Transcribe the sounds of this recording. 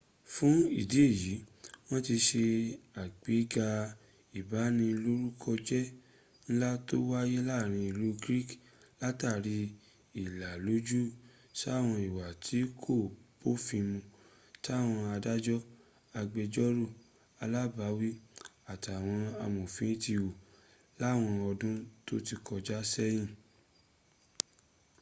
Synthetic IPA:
fũ˦i˦˨di˨˦e˦˨ji˨˦w̃ɔ̃˦ti˧ʃe˧a˨k͡pe˨˦ɡa˧ | i˨ba˨˦nĩ˧lo˦ɾu˦kʰɔ˧d͡ʒɛ˦ | ñ̩˦la˦to˦wa˦je˦la˦˨ɾ̃ĩ˧i˨lu˨˦ɡɾi˦˨k | la˦ta˦˨ɾi˧ | i˨la˨lo˨˦d͡ʒu˦ | ʃa˦˨w̃ɔ̃˧i˨wa˨tʰi˨˦kʰo˦˨po˦fĩ˧mũ˧ | ta˦˨w̃ɔ̃˧a˧da˦d͡ʒɔ˦ | a˧ɡ͡be˧d͡ʒɔ˦ɾo˦˨ | a˧la˦ba˨˦wi˦a˨ta˨w̃ɔ̃˧a˧mũ˨fĩ˨˦ti˧wo˨ | la˦˨w̃ɔ̃˧ɔ˧dũ˦to˦ti˧kɔ˧d͡ʒa˦sɛ˦jĩ˦˨

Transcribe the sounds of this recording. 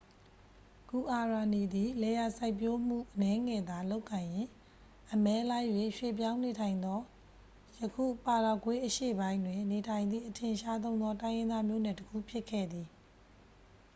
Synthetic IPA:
ku˨ʔa˨ɹa˨ni˨d̪i˨lɛ˨ja˨sa˦ɪpjo˦m̥ṵ˦˨ʔənɛ˦ŋɛ˨d̪a˨lo˦ʊkːã˨jɪ̃˨ | ʔəmɛ˦la˦ɪʔjwe˨ʃwḛ˦˨p̬jã˦ʊ̃ne˨tʰã˨ɪ̃nd̪ɔ˦ | jəkʰṵ˦˨pa˨ɾa˨kwe˦ʔəʃḛ˦˨bã˦ɪ̃ndwɪ̃˨ne˨tʰã˨ɪ̃nd̪ðḭ˦˨ʔətʰɪ̃˨ʃa˦t̪̬õ˦ʊ̃nd̪ɔ˦tã˦ɪ̃jɪ̃˦nd̪a˦mjo̰˦˨nɛ˨təkʰṵ˦˨pʰjɪ˦kʰːɛ̰˦˨d̪i˨

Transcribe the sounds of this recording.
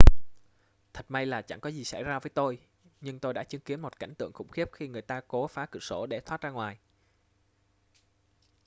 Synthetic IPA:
t̪ʰə˨˩t̚ma˧jlaː˨˩t͡ɕa̰˧˩ŋkɔ˨˦zi˨˩sa̰˧˩jzaː˧vəː˨˦jt̪o˧j | ɲɨ˧ŋt̪o˧jɗa̰ː˧˥t͡ɕɨ˨˦əŋki˨˦ənmo˨˩t̚ka̰˧˩jŋ̟t̪ɨ̰˧˨əŋxʊ̰˧˥˩ŋ͡mxi˦˥əp̚xi˧ŋɨ˨˩əjt̪aː˧ko˨˦faː˨˦kɨ̰˧˨so˧˩ɗe˧˩t̪ʰwaː˦˥t̚zaː˧ŋwaː˨˩j

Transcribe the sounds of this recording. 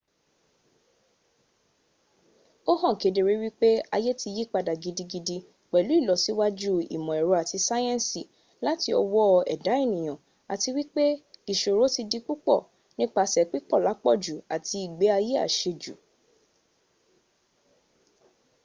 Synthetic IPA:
o˦hɔ̃˦˨ke˨˦de˧ɾe˨˦wi˦k͡pe˦a˧je˦ti˧ji˦k͡pa˧da˨ɡi˧di˧ɡi˧di˧ | k͡pɛ˨lu˨˦i˦˨lɔ˨˦si˦wa˦d͡ʒu˦ḭ˨mɔ̃˨ɛ˨ɾu˨˦a˨ti˧˦sa˦jɛ̃˦n˨si˨ | la˨˦ti˧ɔ˧wɔ˦˧ɛ̰˨da˨˦e˦˨nĩ˨j̃ã˨ | a˨ti˧wi˦k͡pe˦i˨ʃo˨ɾo˨˦ti˧di˧k͡pu˦k͡pɔ̰˦˨ | nĩ˦k͡pa˧˨sɛ˨k͡pi˦k͡pɔ˦˨la˨˦k͡pɔ˦˨d͡ʒu˨a˨ti˧i˨ɡ͡be˨˦a˧je˦a̰˦˨ʃe˧d͡ʒu˨

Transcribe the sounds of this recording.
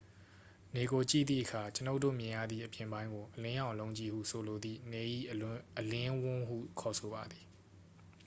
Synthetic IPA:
ne˨ɡo˨t͡ɕḭ˦˨d̪ðḭ˦˨ʔəkʰa˨t͡ɕəno˦tːo̰˦˨mjɪ̃˨jä̰˦˨d̪ðḭ˦˨ʔəpjɪ̃˨mbã˦ɪ̃ŋɡo˨ʔəlɪ̃˦jã˨ʊ̃lõ˨ʊ̃ɲt͡ɕi˨hṵ˦˨sʰo˨lo˨d̪ðḭ˦˨nɛ˨ʔḭ˦˨ʔəlɪ̃˦wʊ̃˦ɦṵ˦˨kʰɔ˨sʰo˨ba˨d̪i˨

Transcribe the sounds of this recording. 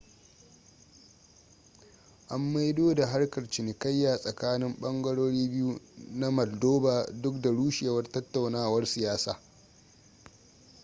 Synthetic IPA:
ʔa˦mːa˦jdoː˦da˨ɦa˦rkɐ˨rt͡ʃɪ˨nɪ˨kɐ˦jːaː˨sʼɐ˨kaː˦nɪ˦mɓɐ˦ŋɡɐ˦ɽoː˦ɽiː˦bɪ˦ju˦na˦mɐ˨ldoː˦baː˨dʊ˦k̚da˨ɽuː˦ʃeː˨wɐ˦rtɐ˦tːa˨wnaː˦wɐ˦rsɪ˨jaː˦saː˨

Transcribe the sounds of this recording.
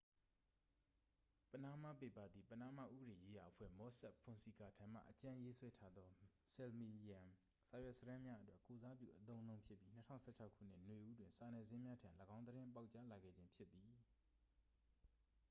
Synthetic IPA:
pə˨na˦˨ma˦˨pe˦˨pa˦˨d̪ði˨pə˨na˦˨ma̰˦˨ʔṵ˦bəɾe˨je˦ja˨ʔəpʰwɛ̰˦˨mɔ˨˦sɛ˦ʔpʰʊ̃˨nsi˨ka˨tʰã˨m̥a̰˦˨ʔət͡ɕã˦je˦swɛ˦tʰa˦d̪ɔ˦sɛ˨lmi˨jã˨ | sa˨jwɛ˦ʔsə˦ɾã˦mja˦ʔə˦twɛ˦˨ko˨za˦pjṵ˦˨ʔət̪̬õ˦ʊ̃nõ˦ʊ̃pʰjɪ˦pːji˦n̥ə˦tʰã̰˦˨sʰɛ˦˨t͡ɕʰa˦ʊkʰːṵ˦˨n̥ɪ̰˦˨nwe˨ʔu˦dwɪ̃˨nsa˨nɛ˨zɪ̃˦mja˦tʰã˨lə˨ɡã˦ʊ̃nd̪əɾɪ̃˦mpa˦ʊt͡ɕa˦la˨ɡɛ̰˦˨d͡ʑɪ̃˦mpʰjɪ˦t̪ːi˨

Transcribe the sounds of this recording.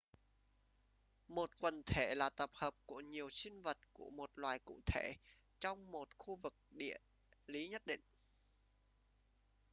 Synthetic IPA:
mo˨˩t̚kwə˨˩nt̪ʰe˧˩laː˨˩t̪ə˨˩p̚həː˨˩p̚ku˧˩əɲi˨˩əwsï˧ŋvə˨˩t̚ku˧˩əmo˨˩t̚lwaː˨˩jkṵ˧˨t̪ʰe˧˩˨ | t͡ɕɔ˧wŋ͡mmo˨˩t̚xu˧vɨ˨˩k̚ɗḭ˧˨ə | li˨˦ɲə˦˥t̚ɗḭ˧˨ŋ̟

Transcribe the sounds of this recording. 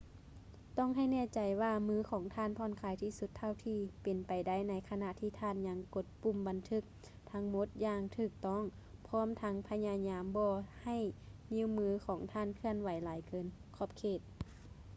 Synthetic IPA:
t̪ɔ˧˥˨ŋɦa˧˥˨jnɛː˧˥˨t͡ɕa˨˩jwaː˧mɯː˧˥˨kʰɔː˨˩˦ŋt̪ʰaː˧˨npʰɔ˧˩˨nkʰaː˨˦jt̪ʰiː˧˩su˧˦t̪ʰːa˧˨wt̪ʰiː˧pe˨˩npa˨jda˧˩˨jna˧˥jkʰa˧na˧˨t̪ʰiː˧t̪ʰaː˧˥˨nɲa˧˥ŋko˧˦t̪̚pu˧˨mba˨nt̪ʰɯ˧˥k̚ | t̪ʰa˧˥ŋmo˧˦t̪̚jaː˧˩ŋt̪ʰɯː˧˩k̚t̪ɔ˧˥˨ŋ | pʰɔː˧˥˨mt̪ʰa˧˦˥ŋpʰa˧ɲaː˧ɲaː˧˥mbɔː˧ha˧˩jni˧˥˨wmɯː˧˥kʰɔː˨˩˦ŋt̪ʰaː˧˥˨nkʰɯ˧ənwa˨˦jlaː˨˦jkɤː˨˦nkʰɔː˧˩p̚kʰeː˧˩t̪̚

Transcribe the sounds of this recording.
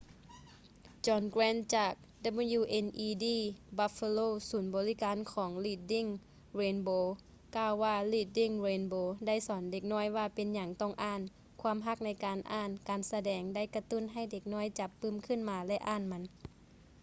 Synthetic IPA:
t͡ɕɔː˧nkɾɛː˧˥nt͡ɕaː˧˨˩k̚da˧˥bu˧juː˧˩ʔe˧nʔiː˧diː˧˩ba˧fe˧loː˧˨suː˩˦nbɔː˨˦li˦˧˥kaː˨˦nkʰɔː˩˦ŋliː˧˩t̪̚di˧˥˩ŋ | ɾeː˧nboː˧ | kaː˧˨wːaː˧liː˧˩t̪̚di˧˥˩ŋɾeː˧nboː˧da˥˩˨jsɔː˩˦nde˧˩k̚nɔː˧˥˩jwaː˧˩pe˨nɲa˨˩˦ŋt̪ɔ˧˥˩ŋʔaː˧˥˩n | kʰwaː˧˥˨mɦa˧˩k̚na˧˥jkaː˨nʔaː˧˥˩nkaː˨nsa˧dɛː˨˧ŋda˥˨jka˧t̪u˧˥˨nɦa˧˥˩jde˧˦k̚nɔː˧˥˨jt͡ɕa˨˧˦pːɯː˧˩˨mkʰɯ˧˥˨nmaː˧lɛ˧ʔaː˧˥˨nma˧˦n

